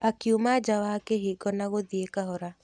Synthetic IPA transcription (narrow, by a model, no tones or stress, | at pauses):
akjumad͡ʒawakeɦiɡɔnaɡod̪iekaɦɔɾa